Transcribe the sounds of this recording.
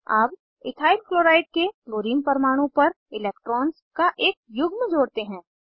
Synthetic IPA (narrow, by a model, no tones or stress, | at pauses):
aːp | ɪ̰t̪ʰaːɪlkloːɾaːɪɖ̚kekloːɾiːmpɐɾmaːɽ̃õpɐɾ | ɪlɛːk̚ʈɾɔːns | kaʔeːk̚jʊɡʱmẽd͡ʒoːɽt̪eɦɛ̃ː